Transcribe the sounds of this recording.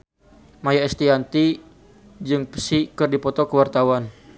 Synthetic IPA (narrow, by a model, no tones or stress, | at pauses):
majaɛst̪iant̪i | d͡ʒɨŋpə̥sikɨrdipɔt̪ɔkəwart̪awan